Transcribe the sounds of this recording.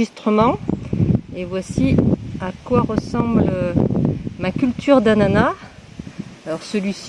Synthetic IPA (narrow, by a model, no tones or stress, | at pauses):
ist̪χəmɑ̃ | evwasiakwaʁəsɑ̃blə | makʲylt̪ʰyʁd̪anana | lɔʁsəlɥis